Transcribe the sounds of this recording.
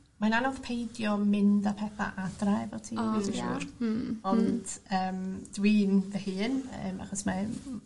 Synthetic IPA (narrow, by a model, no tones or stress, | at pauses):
mananɔð̥pʰejdjɔmɪndapʰɛθa̰ʔadrajvɛwtʰiːi | ɔnd̥əːmdwiːnvɛhɨːnə̰ːma̰χɔsma